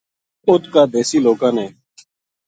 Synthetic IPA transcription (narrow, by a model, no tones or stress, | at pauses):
ʊt̪kaːd̪eːsiːloːkãːnẽː